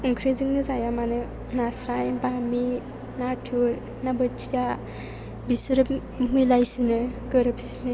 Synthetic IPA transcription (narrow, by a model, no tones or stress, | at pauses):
uŋkʰɾizɯŋnɯzajamanɯ | nasɾajbami | natʰuɾ | nabɐtʰija | bisɾɯp̚ | milajsinɯɡəɾɯp̚si̥nɯ